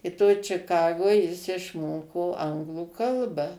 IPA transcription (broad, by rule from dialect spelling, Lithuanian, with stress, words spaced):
ɪ toːj t͡ʃʲɪˈkɑːɡoːj jɪs ɪʃˈmoːkoː ˈɐŋɡlˠuː ˈkɐlˠbɐ